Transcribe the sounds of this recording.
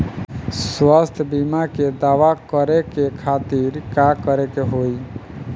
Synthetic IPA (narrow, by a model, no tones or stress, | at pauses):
swast̪ʰəbimaked̪aʋakəɾekekʰat̪iɾkakəɾekeɦoj